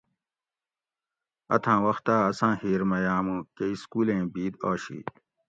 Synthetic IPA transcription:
ɐ̰t̪ʰãːwɐxt̪aːɐsãːhiːɾmɐjaːmũːkeiskuːlẽːbiːd̪oːɕḭː

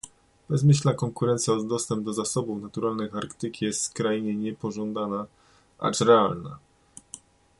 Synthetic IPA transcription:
b̥ɛzmɘɕlnakɔŋkuɾɛnt̪sʲjaɔd̪ɔst̪ɛmb̚d̪ɔzasɔbufnat̪uɾalnɘxaɾkt̪ɘkʲijɛst̪kɾajɲɛɲɛpɔʐɔnd̪ana | a̰ʈ͡ʂɾɛalna̰

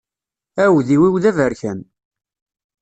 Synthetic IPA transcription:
æwðiwiwðævəɾçæn

